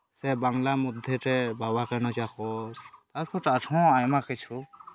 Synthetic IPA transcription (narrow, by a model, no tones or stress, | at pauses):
sɛbaŋlamud̪ʱɛtɛbawakɛnɔd͡ʒakɔt̪aɾpʰɔtatʰɔ̃ajmakit͡ʃʰu